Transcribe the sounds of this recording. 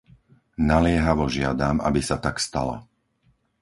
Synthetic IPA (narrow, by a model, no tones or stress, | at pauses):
nalɪɛɦaʋɔʒɪad̪ama̰bisat̪akst̪a̰la̰